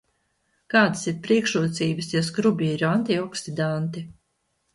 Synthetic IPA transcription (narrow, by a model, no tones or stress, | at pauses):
kaːd̪ḁsiɾpɾiɛkʃuɔt̪siːbɨsjɔskɾubʲiːɾuant̪iɔksid̪ant̪i